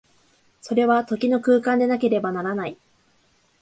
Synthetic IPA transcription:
so̞ɾe̞βat̪o̞kʲino̞kɯːkãnd̪e̞nak̬e̞ɾe̞banaɾanai

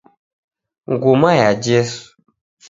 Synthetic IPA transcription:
ŋ̩ɡumajad͡ʒes

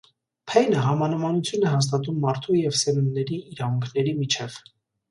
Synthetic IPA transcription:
pʰɛjnəɦɑmɑnəmɑnut͡sʰjunɛɦɑs̬t̪ɑt̪̬umːɑɾt̪ʰujɛvsɛnunːɛɾiːɾɑvuŋkʰnɛɾimit͡ʃʰɛv̥

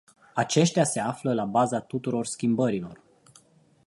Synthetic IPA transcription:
at͡ʃe̞ʃt̪ease̞afləlabazat̪ut̪uɾo̞rskʲimbəɾilo̞̰r

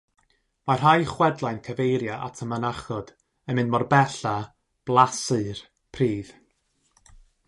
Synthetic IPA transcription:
mar̥ajχwɛdlˠajnkʰəvejɾjaʔa̰tʰəmənaχɔd̥ | ənmɨnmɔrbɛɬa | b̥lˠasɨr | pʰriːð̥

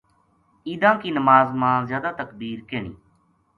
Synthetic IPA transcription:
iːd̪ãːkiːnəmaːzmãːzjaːd̪aːt̪əkbiːɾkeːɳḭː

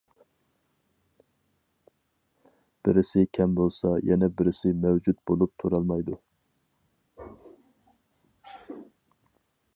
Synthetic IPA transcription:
b̥ɪɾɪsɪkʲʰɛmbolˠsɑjɛnɛbɪɾɪsɪmɛwd͡ʒut̪bolˠup̚t̪ʰuɾɑlˠmɑjd̪u

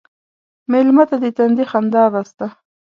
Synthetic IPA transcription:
melmat̪ad̪et̪and̪ixand̪ɑɾast̪a

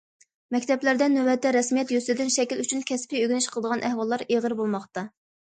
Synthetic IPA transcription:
mɛkʲt̪ʰɛplæɾd̪ɛnːøwɛt̪ʰːɛɾɛsmijɛt̪jysɪd̪ɪnʃɛkʲilyt͡ʃʰynkʲʰɛspiøɡʲɪnɪʃqʰəlˠəd̪əʁɑnʔæhwɑlˠːɑɾeʁəɾbolˠmɑχt̪ɑ

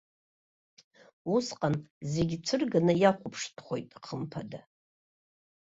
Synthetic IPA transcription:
usqʼanze̞ɡʲt͡sʷʰɨrɡanajaχʷʊpʰʂtʰχʷo̞jtʼqʰəmpʰada

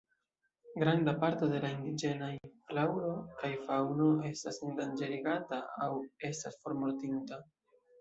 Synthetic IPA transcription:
ɡɾandapaɾto̞de̞laindid͡ʒe̞naiflawɾokajfawno̞e̞stasindand͡ʒe̞ɾiɡataawe̞stasfo̞ɾmo̞ɾtinta

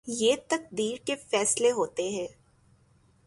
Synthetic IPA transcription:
jeːt̪ɐk̚d̪iːɾkefɛːsleɦoːt̪eɦɛ̃ː

